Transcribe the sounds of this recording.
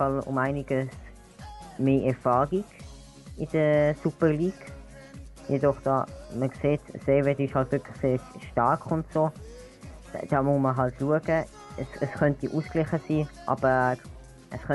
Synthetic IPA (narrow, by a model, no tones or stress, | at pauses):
fɑlʊ̰mæɪnɪɡ̥əs | meːʔɛɾfɑːʁiɡ̥ | ɪd̥əsupəʁliːɡ | jedɔχd̥ɑ̰ːməkseːtseːʋɛdɪʃhɑltv̥ɪɐkʰlɪχseːɾʃtɑʁkχʊntsoː | d̥ɑːmʊməɦɑltluəɡə | ɛsəsχœntiʔusklɪχəsiːʔɑ̰bə | ʔəsχœ